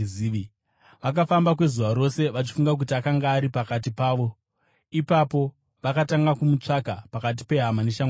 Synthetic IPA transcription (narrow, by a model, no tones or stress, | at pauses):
ii | ʋak̬afambakwe̞zuʋaɾo̞se̞ʋat͡ʃi̥fuŋɡak̬utiakaŋɡaːɾipakat̬ipaːʋo̞ | ipapo̞ | ʋakataŋɡakumut͡ʂakapakat̬i̥pe̞ɦamaneʃa